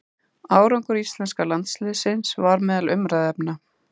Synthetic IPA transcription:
aːwɾɔŋkʏɾist̪lɛnskalant̪slɪːsɪnsvaɾmɛːðalʏmɾaðɛpna

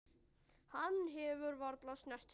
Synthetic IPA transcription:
hanːɦɛvʏɾvɔɾt̪lasnɛr̥t̪

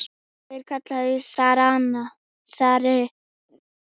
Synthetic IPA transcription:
eɾkʰat͡ɬʰaisaɾana | saɾe

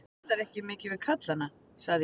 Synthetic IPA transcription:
ɛt̪aɾɛhcɪmɪːcɪvɪðkʰat̪lanːa | saɣðɪ

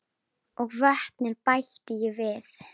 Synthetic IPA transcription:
ɔɣvœht̪nɪɾpajht̪ɪjɛvɪθ

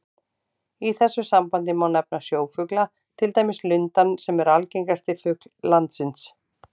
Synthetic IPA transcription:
iθɛsːʏsampant̪ɪmawnɛp̚nasjoːwfʏkla | t̪ʰɪlt̪aːjmɪslʏnt̪ansɛmɛɾalcejŋkast̪ɪfʏklːant̪sɪns

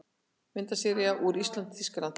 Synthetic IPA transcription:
mɪnt̪asɛɾɪaʔuɾist̪lant̪θiskalan

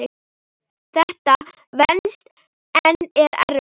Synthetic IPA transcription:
ɪ | θɛht̪a | vɛnst̪ | ɛnːɛɾɛ̰r

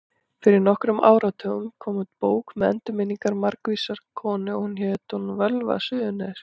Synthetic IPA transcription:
fɪɾɪɾnɔhkɾʏmʔa̰ːwɾat̪ʰœːɣʏmkʰɔːmʏt̪̚poːwkmɛɛ̰nt̪ʏɾmɪniŋkaɾmaɾkviːsaɾ̥kʰɔːnɪɔhunçɛt̪ɔnvœlva̰sʏːðʏnɛɾ̥

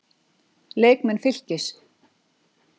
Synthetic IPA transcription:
leːjkmɛnfɪl̥cɪs

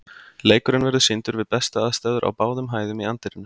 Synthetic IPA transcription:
leːjkʏɾʏnvɛɾðʏsɪnt̪ʏɾvɪðpɛst̪aaðst̪ɛːðʏɾʔa̰wpaːwðʏmɦaːjðʏmiant̪ɪɾɪnːʏ

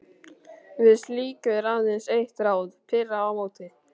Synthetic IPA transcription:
vɪðst̪liːkʏɾaððɪnsejht̪ɾaːwðpʰɪrːaawmoːwt̪ɪ

